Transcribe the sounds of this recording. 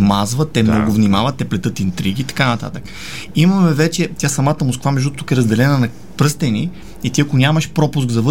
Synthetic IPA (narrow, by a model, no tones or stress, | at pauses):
mazvɐt̪ːɛmnɔɡʊvnʲimavɐt̪ːɛplɛt̪ɤt̪int̪ɾiɡʲiːt̪ɐ̥kanɐt̪a̰t̪ək | imɐmɛvɛt͡ʃɛt̪ʲjasɐmat̪əmʊskvamɛʒut̪ukɛɾɐzd̪ɛlɛnənɐ | pɾɤst̪ɛnʲi | it̪iɐkʊnʲaməʃpɾɔpʊs̬ɡzɐvɤ